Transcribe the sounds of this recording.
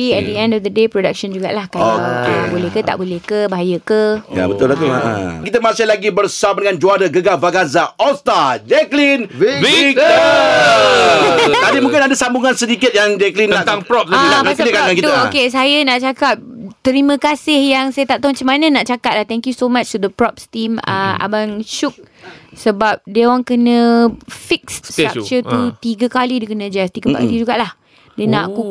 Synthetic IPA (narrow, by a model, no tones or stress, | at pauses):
eɛnd̪iɛ̃ndɔfd̪ədepɾodak̚ʃənd͡ʒuɡa̰ʔlahkaoeabolɛhkət̪a̰ʔbolɛhkəbaɦajəkəja̰bət̪ʊlat̪oã̰kit̪əmasɪlaɡibərsamdəŋãnd͡ʒuadəɡəɡavaɡazaʔɔst̪ad͡ʒɛklini | t̪adimũŋkɪnadəsambuŋansədikɪt̪̚jaŋd͡ʒɛklinaaŋpɾɔp̚laɡiat̪kakankit̪uokesajənãʔt͡ʃakap̚t̪əɾimə̃kasɪhjaŋsajat̪aʔt̪ɔŋt͡ʃəmanə̃naʔt͡ʃakat̚laht̪ɛŋkjusomat͡ʃt̪ud̪əpɾɔp̚st̪imə̰a̰banʃuk̚ | səbap̚dewaŋkənə̃fik̚ssak̚t͡ʃət̪ut̪iɡəkalidikənə̃d͡ʒɛst̪iɡəba̰ʔkat̪id͡ʒuɡaʔlah | dənãʔku